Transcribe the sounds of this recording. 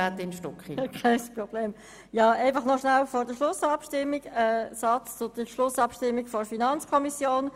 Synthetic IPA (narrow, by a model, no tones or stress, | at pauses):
at̪ɪnʃtɔkχikʰɛɪspʁɔb̥leːm | jɑːæɪfɑχnɔʃnalfɔɾdəʃlʊsɑpʃtɪmːiɡɛsɑt͡st͡sʊd̥əʃlʊsɑpʃtɪmːiɡfɔfinɑnt͡skʰɔmisjoːn